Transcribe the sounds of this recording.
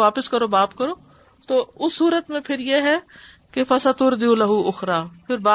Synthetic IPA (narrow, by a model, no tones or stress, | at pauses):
ʋaːpəskɐɾoːbaːpkɐɾoː | t̪oːʊsːuːɾət̪mẽpʰɪɾjeɦɛ | kefɐsɐt̪ʊɾd̪ulɐɦuʊxɾaːpʰɪɾbaː